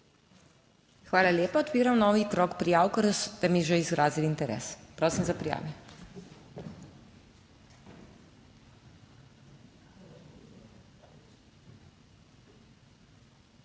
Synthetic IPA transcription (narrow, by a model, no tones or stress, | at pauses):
xʋaːlalʲeːpaɔt̪piːɾamnɔːʋit̪ɾɔːkpɾijaːwkəɾsd̪amiʒeizɡɾaːzilint̪ɛɾɛ̰ːspɾoːwsimzapɾija̰ːʋɛ